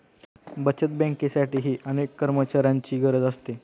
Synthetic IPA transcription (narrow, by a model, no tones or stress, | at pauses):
bət͡ɕət̪̚bɛ̃ŋkesaʈiːɦiːʔənekːəɾmət͡ɕaɾjaɲt͡ɕiːɡəɾəd͡zəst̪e